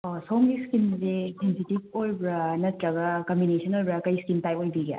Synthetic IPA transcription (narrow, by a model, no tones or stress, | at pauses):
osowmɡiskinzesensitib̚ojbɾɐnɐtɾɐɡɐkɐmbinesʰɐnojbɾɐkɐjskintajojbiɡa̰